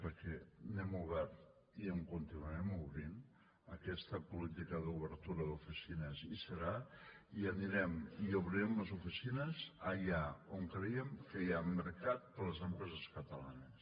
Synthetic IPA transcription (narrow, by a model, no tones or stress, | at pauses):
pəɾkɛnɛmuβɛɾt̪ | iəŋkunt̪inuaɾɛmuβɾin | əkɛst̪əpulit̪ikəðuβəɾt̪uɾəðufisinəzisəɾaiəniɾɛmiuβɾiɛmləzufisinəzəʎaoŋkɾejəmkəjaməɾkat̪̚pələzəmpɾɛzəskət̪əla̰nəs